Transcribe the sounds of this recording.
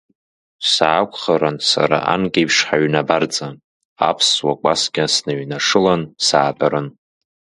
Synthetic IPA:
saːkʷʰʼχaɾansa̰ɾa̰ʔa̰nkʲʼejpʰʂħaɥnabart͡sʼa | a̰pʰswakʷʼasɡʲasnaɥnaʂɨlansaːbʼaɾɨn

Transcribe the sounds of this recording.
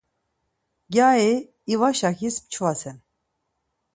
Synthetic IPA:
ɡʲaːi | ivaʃaxispt͡ʃʰvasɛn

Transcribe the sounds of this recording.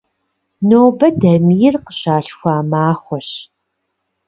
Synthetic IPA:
noːbɐdɐmijɪrqəɕaːɬxʷaːmaːχʷɔɕ

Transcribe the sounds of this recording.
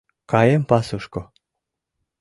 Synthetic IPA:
kɑjempɑsuʃko

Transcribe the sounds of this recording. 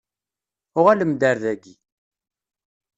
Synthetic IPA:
ʊʁaləmd̪əɾðæɡi

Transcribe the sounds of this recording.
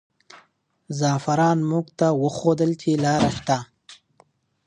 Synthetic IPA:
zɑfaɾɑnmuɡt̪awəxod̪əlt͡ʃelɑɾaʃt̪a

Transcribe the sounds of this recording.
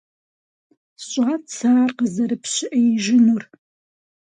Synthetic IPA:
ɕʼat͡sʰaːrqəzɐɾɨpʰɕɪʔɐjɪʒɪnur

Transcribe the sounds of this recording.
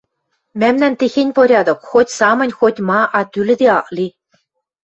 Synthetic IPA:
mæmnænt̪exenʲpoɾʲɑd̪ɤ̆kxotʲsɑmɤ̆nʲxotʲmɑʔɑt̪ylɘ̆d̪eɑʔli

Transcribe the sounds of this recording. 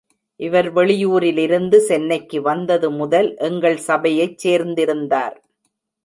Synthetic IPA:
ʔɪʋɐɾʋɛɭɪjuːɾɪlɪɾɯnd̪ɯsɛnːɐɪkːɯʋɐnd̪ɐðɯmʊðɐlʔɛŋɡɐɭsɐbɐjɐɪt͡ʃseːɾnd̪ɪɾɯnd̪a̰ːɾ

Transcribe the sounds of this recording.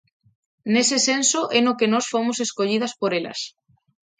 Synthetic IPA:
nesesensoʔenokenosfomoseskoʎið̞aspoɾela̰s

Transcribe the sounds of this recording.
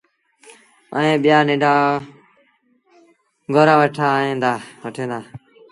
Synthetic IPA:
ə̰ːẽːɓɪjaːnẽːɖaː | ɡʱoːɾãːʋəʈʰaːɦẽːnd̪aːʋəʈʰẽːnd̪aː

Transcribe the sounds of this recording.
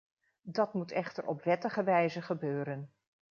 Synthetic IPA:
dɑtmutɛχtəɹʔɔ̰prɛtəχəʋɛjzəχəbøːɾən

